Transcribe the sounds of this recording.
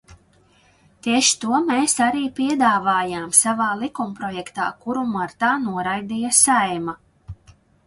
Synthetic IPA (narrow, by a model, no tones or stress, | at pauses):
t̪iɛʃi̥t̪uɔmeːsaɾiːpiɛd̪aːvaːjaːmsavaːlˠikumpɾɔjɛkt̪a̰ːkuɾumaɾt̪aːnuɔɾajd̪ijasajma